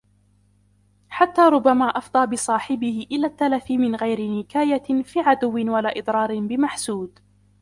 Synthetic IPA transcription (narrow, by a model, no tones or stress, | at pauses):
ħat̪ːaːɾˤʊbːamaːʔɑfd̪ˤɑːbɪsˤɑːħɪbɪhɪʔɪlaːt̪ːalafɪmɪnɣajɾɪnɪkaːjafiːʕad̪ʊwːɪnwalaːʔɨd̪ˤɾˤɑːɾɪnbɪmaħsuːd̪